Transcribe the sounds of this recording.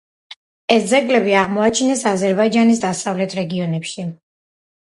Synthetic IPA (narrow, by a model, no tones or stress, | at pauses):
ɛsd̪zɛɡlɛbiaʁmɔat͡ʃʰinɛsazɛɾbaid͡ʒanis̬d̪asavlɛt̪ʰɾɛɡiɔnɛpʃi